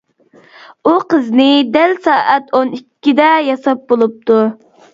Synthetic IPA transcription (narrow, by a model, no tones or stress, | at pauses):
uqəznɪd̪ɛlsɑːʔɛt̪ʰonikʲːid̪ɛjɑsɑp̚bolˠup̚t̪ʰu